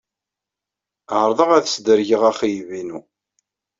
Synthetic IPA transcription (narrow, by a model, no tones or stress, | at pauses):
ʕəɾˤðˤəʁæðsd̪əɾʝəʁæχijvinu